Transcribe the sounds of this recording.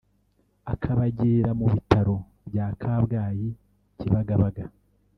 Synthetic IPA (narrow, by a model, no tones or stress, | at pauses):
akʰaβaɟeːɾamuβitaɾo̞ | bɟaːkʰaːβɡaːji | ciβaɡaβaɡa